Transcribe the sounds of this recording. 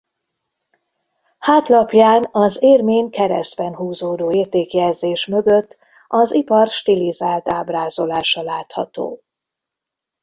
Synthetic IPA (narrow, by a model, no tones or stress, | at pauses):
haːt̪lɒpjaːnɒzeːrmeːɲkɛɾɛ̰zbɛnɦuːzoːd̪oːeːrt̪eːkjɛlzeːʃmø̞ɡøt̪ː | ʔɒzipɒrʃt̪ilizaːlt̪aːbraːzo̞laːʃɒlaːt̪hɒ̰t̪o̰ː